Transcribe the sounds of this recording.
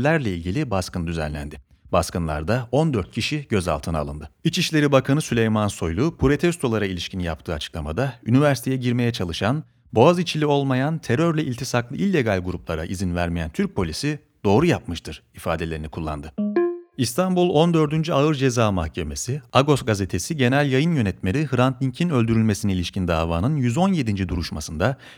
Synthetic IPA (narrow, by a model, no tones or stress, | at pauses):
lʲæɾlʲɛilʲɟilʲibaskɯnɯd̪yzæ̰nlʲæ̰nd̪ɪ | baskɯnlˠa̰ɾd̪ao̞nd̪øɾt̪̚cʰiʃiɟ̥ø̞za̰lˠt̪ʰɯna̰ːlˠɯnd̪ɯit͡ʃiʃlʲe̞ɾibakʰanɯsylʲejmanso̞jlˠupʰuɾo̞t̪ʰɛst̪ʰo̞lˠaɾailʲiʃcinija̰p̚t̪ʰɯːat͡ʃʰɯ̥klˠamad̪aynivæɾsi̥t̪ʰejɛɟiɾme̞jɛt͡ʃʰalˠɯʃan | boazit͡ʃʰilʲio̞lˠmajant̪ʰe̞ɾøɾlʲɛʔilʲt̪ʰisaklˠɯʔilʲːe̞ɡalʲɡuɾuplˠaɾa̰ʔizinvæɾmijænt̪ʰyɾc̚pʰo̞lʲisi | d̪̥o̞ːɾujap̚mɯʃt̪ʰɯɾ̥ifaːd̪e̞lʲe̞ɾinikʰulˠːa̰nd̪ɯist̪ʰambulˠo̞nd̪ø̞ɾd̪ynd͡ʒyaɯɾd͡ʒe̞zaːmahcʰe̞me̞siaɡo̞sɡazet̪ʰe̞siɟe̞nælʲjajɯnjø̞nɛt̪meɾʲihɯɾant̪lʲiɲcʰinølʲd̪yɾylʲme̞siniilʲiʃcind̪a̰ːvaːnɯnjyzo̞nje̞d̪ind͡ʒid̪uɾuʃmasɯnd̪a